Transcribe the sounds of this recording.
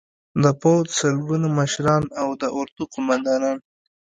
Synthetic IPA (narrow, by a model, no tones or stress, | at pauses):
d̪əpod̪səlɡunaməʃɾɑnawd̪əʔʊɾd̪uqʊmand̪ɑnɑn